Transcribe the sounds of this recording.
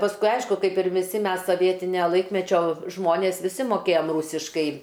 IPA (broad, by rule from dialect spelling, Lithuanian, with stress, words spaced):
pɐsˈkʊɪ ˈɐɪʃkʊ ˈkɐɪp ɪr ʋʲɪˈsʲɪ ˈmʲɛs soːˈʋʲiɛtʲɪnʲoː ˈlˠɐɪkmʲɛt͡ʃʲoː ˈʒmoːnʲeːs ʋʲɪˈsʲɪ moːˈkʲeːjɛm ˈruːsʲɪʃkɐɪ